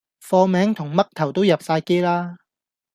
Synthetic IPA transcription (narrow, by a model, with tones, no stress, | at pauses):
fɔː˧mɛː˨˥ŋt̪ʰʊ˨˩ŋmɐ˥k̚t̪ʰɐ˨˩wt̪o˥wjɐ˨p̚saː˧jke˥jlaː˥